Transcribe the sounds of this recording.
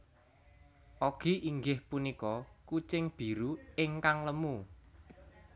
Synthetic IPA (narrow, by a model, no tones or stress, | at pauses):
ʔoɡ̥i̤ʔiŋɡɪhpunikɔkut͡ʃɪŋb̥i̤ɾuɪŋkaŋləmu